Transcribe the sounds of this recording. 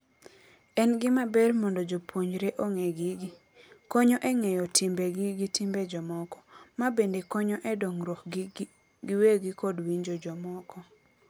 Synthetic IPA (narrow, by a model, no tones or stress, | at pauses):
ɛnɡɪmabɛrmɔndɔd͡ʒopwoɲɾeʔoŋeɡɪɡɪ | kɔɲɔʔɛŋɛjɔtʰimbeɡɪɡitimbed͡ʒɔmɔkɔ̥mabendekɔɲɔʔɛdoŋɾwɔk | ɡɪweɡikɔdwiɲd͡ʒod͡ʒɔmɔkɔ